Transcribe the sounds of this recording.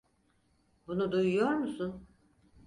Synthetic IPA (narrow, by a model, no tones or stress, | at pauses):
bunud̪ujujo̞ɾmusun